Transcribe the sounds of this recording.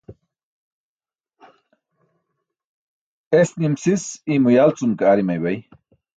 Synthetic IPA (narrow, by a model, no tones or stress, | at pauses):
esnimsisimujalt͡sumkaːɾimajwaj